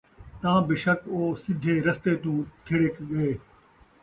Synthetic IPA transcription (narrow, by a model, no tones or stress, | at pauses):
t̪ãːbɪʃɐkoːsɪd̪ʱeːɾɐst̪eːt̪ũːt̪ʰɪɽekɠeeː